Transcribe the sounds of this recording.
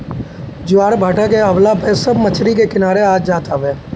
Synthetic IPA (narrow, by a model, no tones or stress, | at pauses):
d͡ʒʊaːɾbʱaːʈakeɐʋlabʱeːsəbmət͡ʃʰɾikekɪnaːɾeaːd͡ʒd͡ʒaːt̪aʋɛː